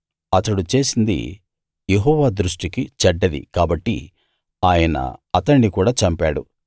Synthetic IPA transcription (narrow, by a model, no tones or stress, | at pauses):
ɐt̪ɐɽut͡ʃe̞ːsind̪ḭ | jeɦɔːʋaːd̪ɾuʂʈikit͡ʃɐɖːɐd̪ḭkaːbɐʈːḭ | aːjɐnɐ̰ɐt̪ɐɳːikuːɽaːt͡ʃɐmpaːɽṵ